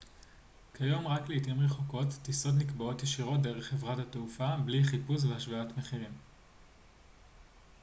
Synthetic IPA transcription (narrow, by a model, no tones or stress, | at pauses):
kʰajo̞mʁakleitimʁeχoko̞tːiso̞t̬nikbao̞tjeʃiʁo̞t̚de̞ʁeχevʁathateufabliχipus̬veaʃvaatmeχiʁim